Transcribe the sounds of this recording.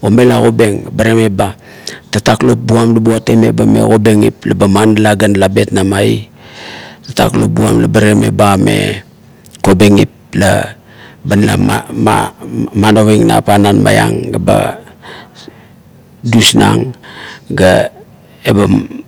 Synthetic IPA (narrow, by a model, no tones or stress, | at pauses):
ome̞laɣo̞be̞ŋbaɾemeba | tataklo̞p̚buamlabuateme̞bame̞̰ko̞beŋḭplabamanlaɡanlabe̞tnamai | tata̰klo̰p̚bua̰mlabaɾeme̞̰bame̞ | ko̞be̞ŋip̚ | la̰ | banla̰mamanoweŋna̰pananma̰ja̰ŋɡaba̰ | dusna̰ŋɡa | eba